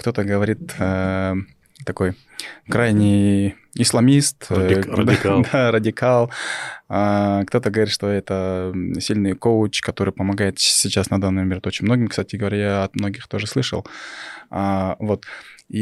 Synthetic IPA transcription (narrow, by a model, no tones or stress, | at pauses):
kt̪o̞t̪əɡəvɐɾʲit̪ə | t̪ɐko̞j | kɾajnʲɪj | ɪslˠɐmʲist̪d̪d̪aɾədʲɪkalˠakt̪o̞t̪əɡəvɐɾit̪ʂt̪o̞ɛt̪əsʲilʲnɨjkoʊt͡ɕkɐt̪o̞ɾɨjpəmɐɡajɪt̪sʲit͡ɕasnɐd̪anːɨmmʲeɾʲt̪o̞t͡ɕɪnʲmno̞ɡʲɪmkst̪atʲɪɡəvɐɾʲajaɐt̪mno̞ɡʲɪxt̪o̞ʐɨslˠɨʂə̰lˠ | avo̞t̪i